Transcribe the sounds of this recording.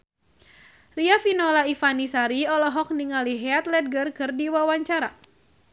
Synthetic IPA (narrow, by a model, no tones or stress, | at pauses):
riafinɔlaifanisaɾiɔlɔɦɔk̚niŋaliɦɛat̪lɛt̪̚ɡərkɨrdiwawaɲt͡ʃaɾa̰